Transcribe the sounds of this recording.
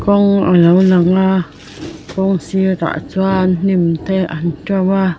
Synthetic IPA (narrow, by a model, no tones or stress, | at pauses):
kɔŋa̰ləwlaŋa | kɔŋsiɾa̰ʔt͡swann̥imt̪ʰeʔantɔwa